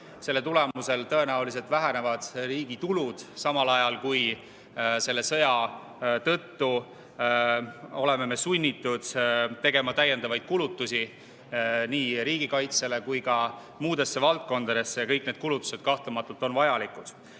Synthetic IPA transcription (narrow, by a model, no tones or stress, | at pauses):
se̞lːet̪ule̞muse̞lt̪ɤe̞næulis̬e̞lt̪væɦene̞vɑd̪̥riːɡ̥it̪ulud̪̥sɑmɑlɑjɑlkuj | se̞lːesɤ̞jɑ | t̪ɤ̞t̪ːu | o̞le̞me̞me̞sunʲːit̪ːˑud̪̥t̪ːe̞ɡe̞mɑt̪æjːe̞nd̪ɑvɑjd̪̥̚kulut̪ːˑusi | niːɾiːɡ̥ikɑjt̪se̞le̞kujkɑ | muːd̪e̞sːe̞vɑlt̪̚ko̞nd̪̥ɑd̪e̞sːejɑkɤjk̚ːne̞ːd̪̥̚kulut̪ːˑu̥se̞d̪̥̚kɑht̪lumɑt̪ːˑult̪ˑo̞nvɑjɑlikud̪̥